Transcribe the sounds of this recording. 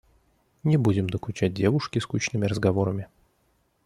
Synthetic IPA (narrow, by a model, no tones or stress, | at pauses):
nʲɪbudʲɪmd̪əkʊt͡ɕæt̚ʲdʲevʊʂkʲɪskut͡ɕnɨmʲɪɾəzɡɐvo̞ɾəmʲɪ